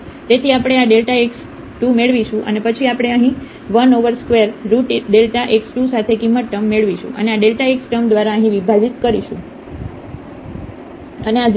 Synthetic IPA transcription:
t̪et̪ʰiapɽ̃eaɖelʈaeks | ʈumeɭʋiʃũʔə̰nepət͡ʃʰiapəɽ̃eəɦĩ | ʋənoʋəɾskʋeɾːuʈiɖelʈaʔeksʈusat̪ʰekimːət̪ʈəmːeɭʋiʃṵ̃ʔə̰neaɖelʈaeksʈəmd̪ʋaɾaəɦĩʋibʱad͡ʒit̪kəɾiʃṵ̃ | ənead͡ʒ

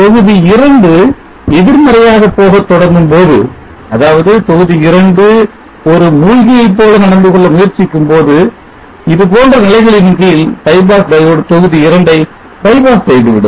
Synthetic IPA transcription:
t̪ɔɣɯðiɪɾɐɳɖɯ | ɛðɪɾmɐɾɐjaːɣɐpːoːɣɐt̪ːɔɽɐɾɡɯmpoːðɯ̰ | ɐðaːʋɐðɯt̪ɔɣɯðiɪɾɐɳɖɯ | ɔɾɯmuːɻɣɪjɐɪpːoːlɐnɐɽɐnd̪ɯɣɔɭːɐmʊjɐɾt͡ʃːɪkːɯmpoːðɯ | ɪðɯpoːndrɐnɪlɐɪɣɐɭɪnɡɐjɪlp̪ɐɪbaːsd̪ɐɽt̪ɔɣɯðiɪɾɐɳɖɐɪ | b̪ɐɪbaːssɛjðɯʋɪɽɯ̰m

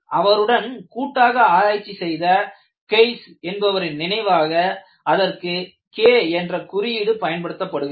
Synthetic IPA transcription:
ʔɐʋɐɾɯɽɐnkuːʈːaːɣɐaːɾaːjt͡ʃːisɛjðɐ | kɐɪsɛnbɐʋɐɾɪnnɪnɐɪʋaːɣɐ | ɐðɐrkɯ | keːɛndrɐkʊɾɪjɪɽɯpɐjɐnpɐɽɯt̪ːɐpːɐɽɯɣ

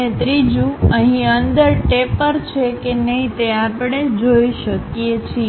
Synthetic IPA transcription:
et̪ɾid͡ʒũəɦĩənd̪əɾʈepəɾt͡ʃʰekenəɦĩt̪eapɽ̃ed͡ʒoiʃəkjet͡ʃʰi

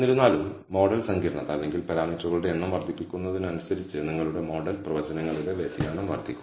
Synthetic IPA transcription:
nːiɾunːaːlumːo̞ːɽɐlsɐŋɡiːɾɐɳɐðɐlːe̞ŋɡilpɐɾaːmiːtruɣɐɭuɽeenːɐmʋɐrd̪ʱipːikʲːunːɐðinɐnusɐɾit͡ɕːɨniŋːɐɭuɽe̞mo̞ːɖɐlprɐʋɐd͡ʑɐnɐŋːɐɭileʋeːt̪ːijaːɳɐmʋɐ̰rd̪ʱikʲːu

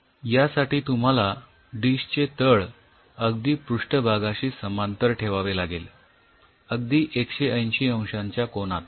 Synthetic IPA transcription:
jasaʈiːt̪um̤ala | ɖiɕt͡ɕet̪əɭ | əɡ̚d̪iːpɾuʂʈəbʱaɡãɕiːsəmant̪əɾʈʰeʋaʋelaɡel | əɡ̚d̪iːʔekɕeʔəjnɕiə̃w̃ɕãɲt͡ɕjakonat̪

